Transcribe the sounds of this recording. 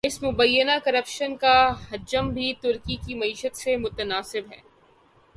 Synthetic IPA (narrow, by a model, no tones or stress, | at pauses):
ɪsmʊbɐjːənakɐɾɐpʃənkaɦɐd͡ʒəmbʱit̪ʊɾkikimɐiːʃət̪semʊt̪ənaːsɪbɦɛː